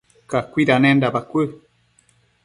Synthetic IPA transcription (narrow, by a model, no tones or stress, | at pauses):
kakʷiɾanɛ̃ndabakʷə